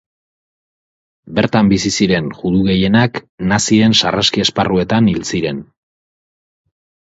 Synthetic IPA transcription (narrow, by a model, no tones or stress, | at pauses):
be̞ɾt̪ambisisiɾe̞nʝuðuɣe̞je̞naknasiɾe̞nsarʔaskie̞sparue̞t̪anilt͡siɾe̞n